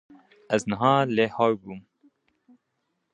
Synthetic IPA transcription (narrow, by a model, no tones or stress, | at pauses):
ɛznəɦɑːleːhɑːwbuːm